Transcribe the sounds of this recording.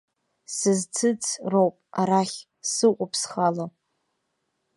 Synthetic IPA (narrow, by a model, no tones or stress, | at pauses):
sɨzt͡sʰɨt͡sʰrowpʼaɾaχʲ | sɨʔʷʼʊpʰsχala